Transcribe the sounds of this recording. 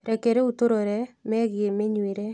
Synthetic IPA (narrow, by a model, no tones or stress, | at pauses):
ɾɛkeɾeutoɾoɾɛmɛːɣiemeɲwiɾe